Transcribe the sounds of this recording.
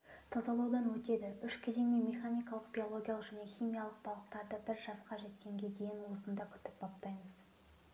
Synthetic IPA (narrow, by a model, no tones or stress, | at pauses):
t̪ʰɑzɑlˠɑwd̪ɑnwɵt̪e̞d̪ɪʏʃkʲʰed̪e̞ŋmenme̞χanijkɑlˠəqb̥ʲio̞lˠoɡʲijalˠəqʒæne̞χʲijmijalˠəq̚bɑlˠəq̚t̪ɑɾd̪əbɪɾʒɑsqɑʒe̞t̪̚kʲe̞ŋɡʲe̞d̪e̞jɪnwosənd̪ɑkʲʰʏ̥t̪ɪ̥p̚pʰɑpt̪ɑjməz̥